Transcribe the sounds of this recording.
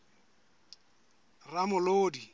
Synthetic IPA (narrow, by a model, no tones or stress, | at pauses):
ramʊloːdi